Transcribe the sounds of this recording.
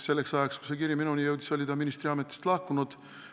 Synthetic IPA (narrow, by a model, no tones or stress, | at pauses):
se̞lːeksɑjɑksku̥sekiɾjɑminunijɤwd̪iso̞lʲit̪ɑminist̪ɾiɑmet̪ːˑi̥st̪lɑhkunud̪̥